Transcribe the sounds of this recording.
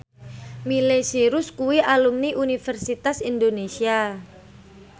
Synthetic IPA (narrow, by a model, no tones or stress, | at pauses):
milesiɾʊskuwiʔalumniʔunifɛrsit̪asind̪onesia